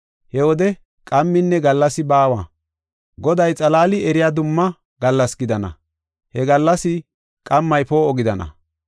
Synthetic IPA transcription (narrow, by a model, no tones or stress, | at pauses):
hɛwɔd̪ɛ | kʼɐmːɪnːɛɡɐlːɐsɪbaːwaː | ɡɔd̪ɐjt͡sʼɐlaːlɪɛɾɪjaːd̪ʊmːɐ | ɡɐlːɐsɡɪd̪ɐnɐ̰ | hɛɡɐlːɐsɪ | kʼɐmːɐjpoːɔɡɪd̪ɐnɐ̰